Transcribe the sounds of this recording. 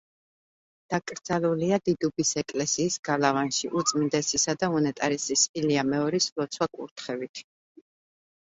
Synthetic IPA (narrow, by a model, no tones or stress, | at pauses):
d̪̥akʼɾd̪zaluliad̪id̪ubisɛkʼlɛsiːsɡ̥alavanʃiʔut̪sʼmind̪ɛsisad̪aɔnɛt̪ʼaɾisisiliamɛɔɾislɔt̪sʰwakʼṵɾt̪ʰχɛvit̪ʰ